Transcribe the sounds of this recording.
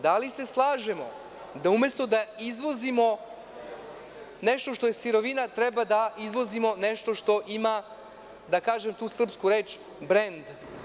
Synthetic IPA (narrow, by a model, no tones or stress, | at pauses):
d̪alise̞slˠaːʒemo̞̰ | d̪aume̞st̪o̞d̪aizʋo̞zimo̞ | nɛʃt̪oʃt̪o̞je̞siɾo̞ʋinat̪ɾɛbad̪aizʋo̞zimo̞nɛʂt̪o̞ʂt̪o̞ʔima | d̪akaːʒemt̪uːsr̩pskuɾeːt͡ʃ | bɾend̪